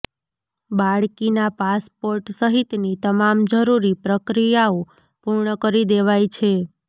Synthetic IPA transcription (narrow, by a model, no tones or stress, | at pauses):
baɭkinapaspoɾʈsəɦit̪nit̪əmamd͡ʒəɾuɾipɾəkɾijao | puɾɳəkəɾid̪eʋajt͡ʃʰe